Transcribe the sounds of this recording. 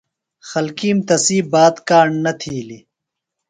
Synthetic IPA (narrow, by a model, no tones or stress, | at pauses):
xɐlkiːmt̪ɐsiːbaːd̪kaːɳːɐt̪ʰiːli